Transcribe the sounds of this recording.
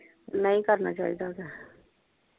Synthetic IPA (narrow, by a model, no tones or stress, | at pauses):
nəɦĩkəɾna̰ːt͡ʃa̰ːid̪aːkɛː